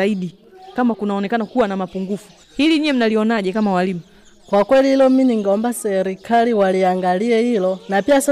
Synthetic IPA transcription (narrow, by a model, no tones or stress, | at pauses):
aiɗi | kamakunaɔnɛkanakuwanamapuŋɡufu̥ | hiliɲiɛm̩naliɔnaʄɛkamawalimu | kwakwɛlihilɔminiŋɡɔmbasɛɾikʰaliwaliaŋɡaliɛhilɔnapias